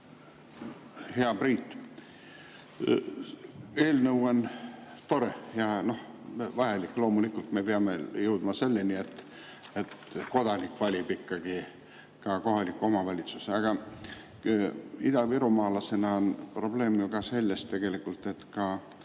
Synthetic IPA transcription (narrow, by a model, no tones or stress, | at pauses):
heɑbriːt̪ːˑ | e̞ːlnɤwont̪o̞ɾejɑno̞h | vɑjɑlikːˑlo̞ːmulikːˑult̪me̞peɑmejɤwd̪mɑse̞lːenie̞t̪ː | et̪ko̞d̪̥ɑnikːvɑlʲib̥ikːɑɡ̥i | kɑko̞ɦɑlikːˑuo̞mɑvɑlʲit̪suseɑɡ̥ɑ | id̪ɑviɾumɑːlɑse̞nɑonpro̞ble̞ːmjukɑse̞lʲːest̪ːe̞ɡ̥e̞likːˑult̪ˑe̞t̪kɑ